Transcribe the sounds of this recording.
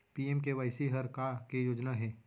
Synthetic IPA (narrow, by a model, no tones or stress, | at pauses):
piːemk̬eʋaɪsiɦɐɾkakejoːd͡ʒnaɦɛː